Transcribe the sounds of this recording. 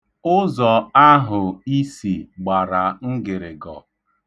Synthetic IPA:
ʊ˦zɔ˨a˦ɦʊ˨i˦si˨ɡ͡ba˨ɾa˨ŋ̩˦ɡɪ˨ɾɪ˨ɡɔ˨

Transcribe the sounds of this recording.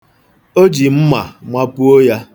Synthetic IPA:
o˦d͡ʒi˨m̩˦ma̰˨ŋʷa˦pu˦o˦ja˦

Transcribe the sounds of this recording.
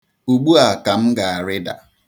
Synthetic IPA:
u˨ɡ͡bu˦a˨ka˨m̩˦ɡa˨a˨ɾɪ˦da̰˨

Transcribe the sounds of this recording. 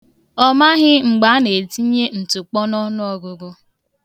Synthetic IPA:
ɔ˦ma˦ɦɪ˦ŋ͡m̩˨ɡ͡ba˨˦ne˨ti˦ɲe˦n̩˨tʊ˨k͡pɔ˦nɔ˦nʊ˦ɔ˨ɡʊ˦ɡʊ˦

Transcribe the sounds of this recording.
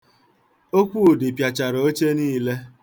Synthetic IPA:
o˦kʷu˦˨dɪ˨pja˨t͡ʃa˨ɾo˨o˦t͡ʃe˦niː˦˨le˦

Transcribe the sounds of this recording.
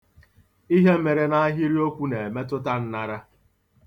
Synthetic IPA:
i˦ɦe˦me˨ɾe˨na˦a˦ɦi˦ɾi˦o˦kʷu˦ne˨e˨me˦t̬ʊ˦ta˦n̩˦na˦ɾa˦

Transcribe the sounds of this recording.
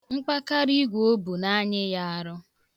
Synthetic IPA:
ŋ͡m̩˦k͡pa˦ka˦ɾi˦ɡʷo˦bu˨na˦ɲɪ˦ja˦a˦ɾʊ˦

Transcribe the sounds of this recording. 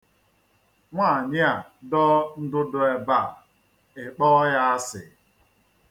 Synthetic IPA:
ŋʷa˦˨ɲɪ˦a˨dɔ˦n̩˦dʊ˦dʊ˨e˨ba˦˨ | ɪ˨k͡pɔ˦ja˦a˦sɪ̰˨

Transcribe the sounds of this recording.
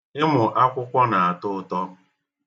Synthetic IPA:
ɪ˦mʊ˨ʔa˦kʷʊ˦kʷɔ˦na˨a˨tʊ˦ʊ˨tɔ˦

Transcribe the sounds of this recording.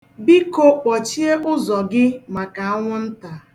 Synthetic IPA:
bi˦ko˦k͡pɔ˨t͡ʃi˦e˦ʔʊ˦zɔ˨ɡɪ˦ma˨ka˨a˦ŋʷʊ˦n̩˦ta˨

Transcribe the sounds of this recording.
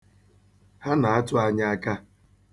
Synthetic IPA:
ha˦na˨a˦tʊ˦a˦ɲa˦a˦ka˦

